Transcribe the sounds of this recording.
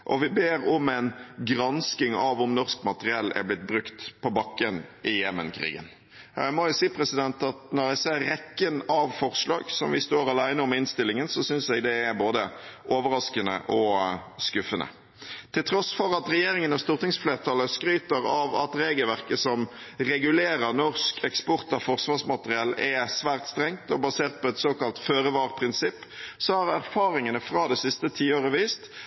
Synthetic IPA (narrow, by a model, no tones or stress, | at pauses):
ʔɔʋɪbeːɾɔmɛɪnɡɾɑnskɪŋɑʋɔmnɔskmɑt̪əʁɪɛlːæ̰blɪt̪̚bɾʉkt̪pʰɔbɑkːənʔɪjɛmənkʰɾḭːɡə̰n | mɔjʊsiːpʰɾɛsɪd̪ɛnt̪ɑt̪nɔɾæɡseːɾːɛkːənɑʋfɔɾslɑ̰ːɡsɔmʋɪst̪oːɾɑlæɪnəɔmɪnst̪ɪlːɪŋənsɔsʏnsɛɡd̪ɛːɾboːd̪əʔoːʋəɾɑskənə̰ʔɔskʉfənə̰ | t̪ʰɪlt̪ʰɾɔsfɔɾɑt̪ɾɛjeːɾɪŋənɑst̪uːʁt̪ɪŋsfleːʁt̪ʰɑləskɾyːt̪əɾɑʋɑ̰t̪ɾeːɡəlʋæʁkəsɔm | ʁɛɡʉleːɾəʁnɔʁskʰɛkspɔʁt̪ɑfɔʁsʋɑːsmɑt̪əʁɪɑlɛsʋæːʁt̪st̪ɾɛŋt̪ɔbɑseːʁt̪̚pɔɛt̪soːkɑlt̪føːɾəʋɑːʁpʰɾɪnsɪpːsɔhɑɾæɾfɑːɾɪŋənəfɾɑːd̪ɛsɪst̪ət̪ʰiːoːɾəʋiːst̪